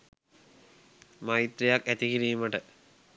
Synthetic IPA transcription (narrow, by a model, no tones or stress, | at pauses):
mɐit̪ɾejakːæt̪ikiɾiːuməʈə